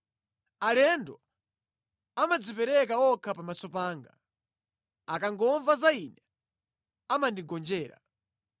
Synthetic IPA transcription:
alɛndɔ | amad͡zipɛɾɛkaɔkʰapamasɔpaːŋɡa̰ | akaŋɡɔɱvazainɛ | amandiɡɔnd͡ʒɛːɾa̰

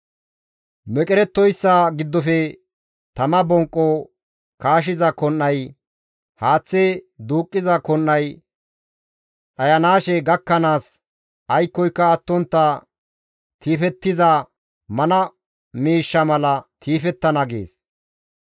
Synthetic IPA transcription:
mɛkʼɛɾɛt̪ːɔjsːaɡɪd̪ːɔfɛ | t̪ɐmɐbɔŋkʼːɔ | kaːʃ̬ɪzɐkɔnːɐj | haːt͡sːed̪uːkʼːɪzɐkɔnːɐj | ᶑɐjɐnaːʃɛɡɐkːɐnaːs | ɐjkːɔjkːɐːt̪ːɔnt̪ːɐ | kiːfɛt̪ːɪzɐ | mɐnɐ | miːʃːɐmɐlɐkʰiːfɛt̪ːɐnɐɡḛːs

